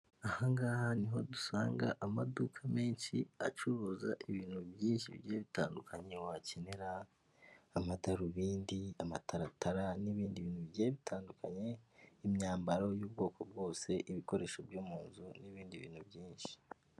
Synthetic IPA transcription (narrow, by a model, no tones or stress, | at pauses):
ahaŋɡaːhaniɦo̞dusa̰ːŋɡaʔamadukʰameːnʃiat͡ʃuɾuːzaʔiβiːn̥hubjiːnʃḭβɟeːβita̰ːndukʰaɲewaceneɾaː | mataɾuβiːndiama̰tʰaɾataɾaniβiːndiβiːnhuβɟeːβitʰaːndukʰaɲe̞imɲaːmbaɾojuːb̚ɡo̞ːko̞bɡo̞ːse̞ʔiβiko̞ɾe̞ːʃobjoːmuːnzuniβiːndiβḭːn̥hubɟiːnʃi̥